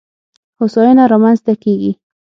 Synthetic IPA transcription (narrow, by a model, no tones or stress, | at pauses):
ʊsɔjʊnaɾɑmanzt̪akeɡi